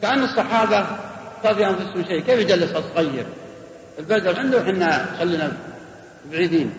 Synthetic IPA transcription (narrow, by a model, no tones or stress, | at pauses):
kaʔanːɨsˤːɑħɑːbatɑðˤiʔanfʊsʊmʃeːkeːfjɪd͡ʒalːɪshɑsˤɣajːɪɾ | ɪlbad̪ɾˤʕɪnd̪ʊħɪnːaxalːiːna | bʕiːd̪iːn